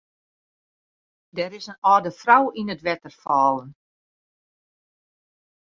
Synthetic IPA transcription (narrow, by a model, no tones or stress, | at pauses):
dɛɾɪsənɔːdəfrawinətʋɛtərfɔːlən